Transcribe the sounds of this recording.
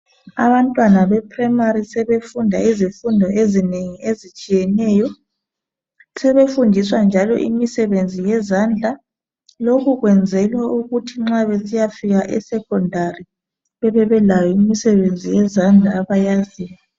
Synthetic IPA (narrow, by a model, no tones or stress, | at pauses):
a̰βantʼwanaβɛpʰrɛmaɾisɛβefundʱa̰izifundʱɔʔezineŋiezit͡ʃʼijɛnɛːjɔ | sɛβefundʱiswand͡ʒʱalɔ̰ʔḭmisɛβend͡zʱijɛzand͡ɮʱa | lokuɣwɛnd͡zʱɛlwauɣutʰiŋ͡ǁaβesijafiɣaʔɛsɛkʰɔndʱari | βɛβɛβɛlajɔimisɛβend͡zʱijɛzand͡ɮʱaːβajaziwa